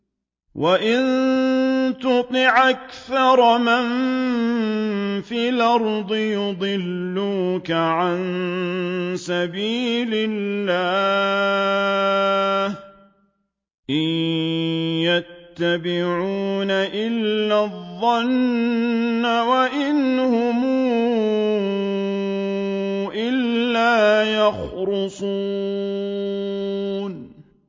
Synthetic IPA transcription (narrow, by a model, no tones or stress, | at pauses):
wʔaʔɪn | t̪ʊt̪ˤɪʕʔakθɑɾˤman | fiːlɑɾˤd̪ˤɨjʊd̪ˤɨlːuːkaʕan | sabiːlɪlːaː | h | ʔɪj | jat̪ːabɪʕuːnaʔɪlːaðˤːɑnː | awaʔɪnhʊmuː | ʔɪlːaːjɑxɾʊsˤu | n